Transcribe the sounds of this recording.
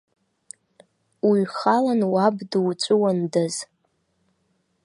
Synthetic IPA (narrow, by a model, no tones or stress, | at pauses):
wiɥχalanwabdwt͡ʃʷʼʊwandɨz